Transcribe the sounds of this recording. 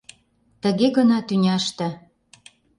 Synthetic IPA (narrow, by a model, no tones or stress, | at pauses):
t̪ə̆ɣeɣɤ̆nɑt̪ynʲɑʃt̪ə̆